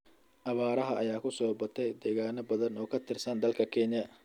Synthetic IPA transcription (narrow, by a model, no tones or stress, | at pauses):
ʔɐβaːɾɐɦɐʔɐjaːkʰʊsɔːbɐt̪ʰɛjd̪ɛːɣaːnɐbɐðɐnɔːkʰɐt̪ʰɪrsɐnd̪ɐlkʰɐkʰɛnjɐ